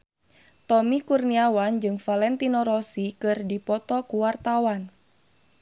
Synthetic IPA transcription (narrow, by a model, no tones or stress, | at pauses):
t̪ɔmikurniawand͡ʒɨŋfalɛnt̪inɔɾɔsikɨrdipɔt̪ɔkuwart̪awan